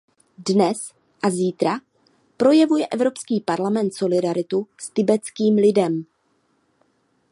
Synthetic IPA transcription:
dnɛs | ʔaziːt̪ɾa | pɾo̞jɛvujɛʔɛvɾo̞pskiːpaɾlamɛnt̪so̞lɪdaɾɪt̪ust̪ɪbɛt͡skiːmlɪdɛm

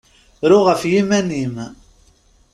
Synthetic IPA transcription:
ɾʊʁəfjimænim

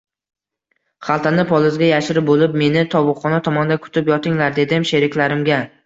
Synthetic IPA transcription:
χalˠt̪ʰanɪpʰɒlˠɪzɡʲajaʃɪɾɪbolɪpme̞nɪt̪ʰɒwʊχɒnat̪ʰɒmɒnd̪akʰʊ̥t̪ʰɪpjɒt̪ʰɪŋlaɾd̪e̞d̪ɪmʃe̞ɾɪkʲlaɾɪmɡʲa

